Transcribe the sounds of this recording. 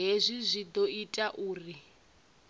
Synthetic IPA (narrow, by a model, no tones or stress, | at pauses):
ɦezʷizʷid̪oitʼaʔuːri